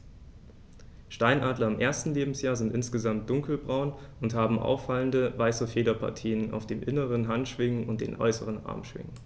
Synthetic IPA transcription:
ʃtaɪnʔaːdlɐɪmʔeːɐstn̩leːbm̩sjaːɐzɪntʔɪnsɡ̥əzamt̚d̥ʊŋkl̩bʁaʊnʊnthaːbm̩ʔa̰ʊfːaləndəvaɪsəfeːdɐpʰa̰ɐtʰiːəna̰ʊfd̥eːmʔɪnəʁənɦantʃv̥ɪŋənʊnt̚d̥ḛːnʔɔ̰ʏsəʁənʔa̰ɐmʃv̥ɪ̰ŋən

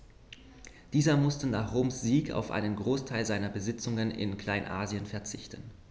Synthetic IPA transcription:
d̥iːzɐmʊstənaːχʁoːmsz̥iːka̰ʊfʔa̰ɪnənɡʁoːstʰaɪlzaɪnɐbəzɪt͡sʊŋənɪ̰nkʰl̥aɪnʔaːziənfɛɐt͡sɪçtən

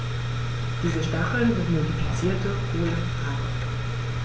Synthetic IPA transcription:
d̥iːzəʃtaχl̩nɪntmodifit͡siːɐtəʔoːnə | ʁanə

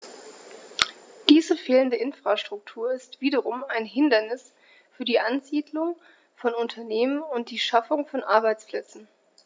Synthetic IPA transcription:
d̥iːzəfeːləndəʔɪnfʁ̥aʃtʁ̥ʊk̚tʰuːɐɪstv̥iːdɐʁʊmaɪnɦɪndɐnɪs | fyːɐdiːʔanziːdlʊŋ | fɔnʊntʰɐneːmənʊnt̚d̥iːʃafʊŋfɔnʔaɐbaɪt͡spl̥ɛt͡sn̩

